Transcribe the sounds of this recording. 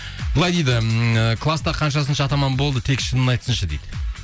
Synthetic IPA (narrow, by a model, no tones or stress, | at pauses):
bəlˠɑjd̪ejd̪ɪəkʰlˠast̪ɑqʰɑnʃɑs̬ənʃɑːt̪ɑmɑnbo̞lˠd̪ət̪ʰe̞kʃənənɑjt̪ə̥sənʃəd̪ejd̪ɪ